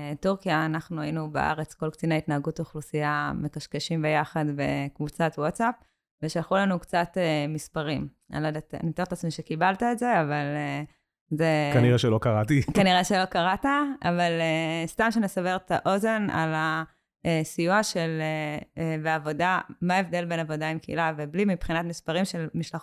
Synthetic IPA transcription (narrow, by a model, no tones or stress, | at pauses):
tuʁkijaːnaχnuainubeʔa̰ʁet͡sko̞lkt͡sinait̪naːɡutːχlusijamekaʃkeʃimbe̞jaχadbe̞̰kvut͡satwotsap̚ | veʃalχulanukt͡satemispaʁim | a̰lodat̪a̰nit̪aʁtat͡smiʃekibaltaeze̞avale | zekaniʁeʃelokaʁatikaniʁeʃelo̞kaʁataavalest̪amʃenesaveʁt̪aʔo̞ze̞na̰la | esijuaʃe̞lebeavo̞damaevd̪e̞lbe̞navo̞daimkeḭlaveblimipχinatmispaʁimʃe̞lmiʃla